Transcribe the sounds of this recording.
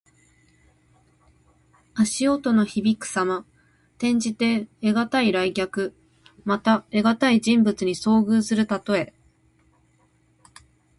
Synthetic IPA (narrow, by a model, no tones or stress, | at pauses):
aɕio̞t̪o̞no̞çibʲikɯ̟̥sama | t̪ẽ̞ɲ̟d͡ʑit̪e̞ːɡat̪aiɾaiɡʲakɯ̟ | mat̪ae̞ɡat̪aid͡ʑĩmbɯ̟t͡sɨɲ̟iso̞ːɡɯ̟ːsɨɾɯ̟t̪at̪o̞e̞